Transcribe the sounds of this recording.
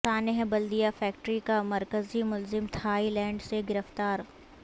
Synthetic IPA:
aːneɦɛ̃bɐld̪ijafɛːk̚ʈɾikamɐɾkəzimʊlzɪmt̪ʰaːilɛ̃ːɳɖseɡɪɾəft̪aːɾ

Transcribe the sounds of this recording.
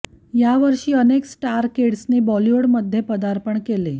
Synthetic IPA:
jaʋəɾʂiːəneksʈaɾkeɽsnebɔlioɽməd̪ʱːjepəd̪aɾpəɳkele

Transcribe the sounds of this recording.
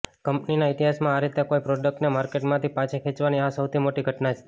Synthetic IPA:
kəmpninaɪt̪iɦasmãːɾit̪ekoipɾoɖək̚ʈnemaɾkeʈmãt̪ʰipãt͡ʃʰekʰet͡ʃʋaniasəwt̪ʰimoʈiɡʱəʈnat͡ʃʰe̥

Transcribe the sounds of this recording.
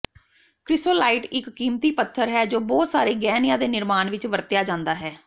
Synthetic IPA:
kɾɪsoːlaːiːʈɪkːiːmt̪iːpət̪ʰːəɾɦɛːd͡ʒoːbɔːt̪saːɾeːɡɛːnɪjãːd̪eːnɪɾmaːnʋɪt͡ʃʋəɾt̪jaːd͡ʒãːnd̪aːɦɛː

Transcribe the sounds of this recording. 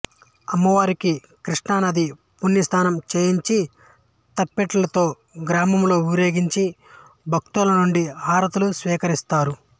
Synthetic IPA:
ɐmːɐʋaːɾiki | kɾiʂɳaːnɐd̪i | punːist̪ʰaːnɐmt͡ʃe̞ːjiɲt͡ʃi | t̪ɐpːeʈɐlɐt̪o̞ː | ɡɾaːmɐmlo̞ːuɾjeːɡiɲt͡ʃi | bʱɐk̚t̪ulɐnuɳɖiaːɾɐt̪ulusʋiːkɐɾist̪aːɾu

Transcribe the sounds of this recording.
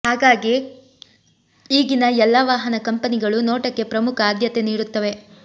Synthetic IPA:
haːɡaːɡi | iːɡinɐɛlːɐʋaːɦɐnɐkɐmpɐniɡɐɭunoːʈɐkːe̞pɾɐmukʰɐaːd̪ʱjɐt̪eniːɽut̪ːɐʋe̞

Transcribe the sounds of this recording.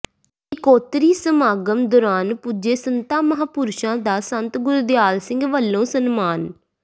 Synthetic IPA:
ɪkoːt̪ɾiːsəmaːɡəmd̪oːɾaːnpud͡ʒeːsənt̪aːməɦaːpʊɾʃãːd̪aːsənt̪ɡʊɾd̪jaːlsɪ̃ŋɡʋəlːõːsənmaːn

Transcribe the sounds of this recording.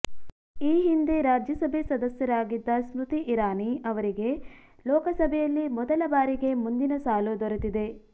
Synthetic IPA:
iːɦind̪e̞ɾaːd͡ʒjɐsɐbʱesɐd̪ɐsjɐɾaːɡid̪ːɐsɾut̪iʔːɾaːniɐʋɐɾiɡe̞ | lɔːkɐsɐbʱɛjɐlːimɔd̪ɐlɐbaːɾiɡe̞mund̪inɐsaːlud̪ɔɾut̪id̪e̞

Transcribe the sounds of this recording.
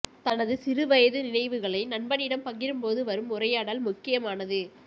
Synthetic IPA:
t̪ɐnɐðɯsɪɾɯʋɐjɐðɯnɪnɐɪʋɯɣɐɭɐɪnɐɳbɐnɪɽɐmpɐŋɡɪɾɯmpoːðɯʋɐɾɯmʊrɐjaːɽɐlmʊkːɪjɐmaːnɐðɯ

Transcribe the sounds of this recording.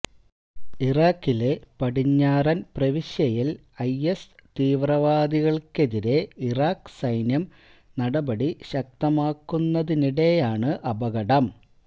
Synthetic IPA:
iraːkːile̞pɐɽiɲːaːrɐnprɐʋiɕjɐjil | ɐjest̪iːʋrɐʋaːd̪iɣɐɭke̞ðiɾe̞iraːksɐjnjɐm | nɐɽɐbɐɽiɕɐk̚t̪ɐmaːkːunːɐðiniɽe̞jaːɳɨʔɐbɐɣɐɽɐm

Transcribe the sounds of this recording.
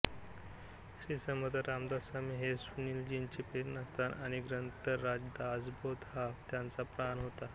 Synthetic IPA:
ɕɾiːsəməd̪əɾamd̪asamiɦesunild͡ʑint͡ɕepeɾnast̪ʰana̰ɽ̃iɡɾənt̪əːad͡ʑd̪ad͡zbod̪ɦaft̪jant͡sapɾanɦot̪a

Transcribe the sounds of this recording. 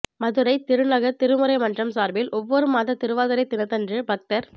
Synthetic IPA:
mɐðɯɾɐɪt̪ɪɾɯnɐɣɐt̪ɪɾɯmɯɾɐɪmɐndrɐmsaːɾbɪlʔɔʋːɔɾɯmaːðɐt̪ɪɾɯʋaːðɐɾɐɪt̪ːɪnɐt̪ːɛndrɯbɐk̚tɐɾ

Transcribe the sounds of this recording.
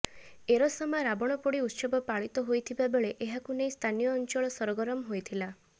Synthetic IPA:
eɾɔsɔmaɾabɔɽ̃ɔpɔɽiut̪sɔbɔpaɭit̪ɔɦojt̪ʰibabeɭeʔeɦakunejst̪ʰanijɔːnt͡ʃɔɭɔsɔɾɔɡɔɾɔmɦojt̪ʰila

